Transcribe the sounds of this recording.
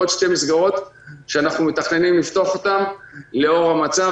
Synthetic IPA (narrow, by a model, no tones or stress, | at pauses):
ot̪ʃte̞misɡaʁo̞t̪ʃeanaχnumet̪aχne̞nimlift̪o̞aχo̞t̪amle̞o̞ʁamat͡sa